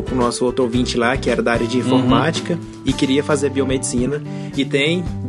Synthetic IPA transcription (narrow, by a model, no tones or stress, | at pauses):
ʊkʊnɔsʊowt̪ɾʊowvĩt͡ʃɪlakɪɛɾɐd̪aaɾjɐd͡ʒɪĩfoɾmat͡ʃi̥kɐ | ɪkɪɾiɐfazeɾbiomed͡ʒɪsĩnɐ | ɪt̪ẽj̃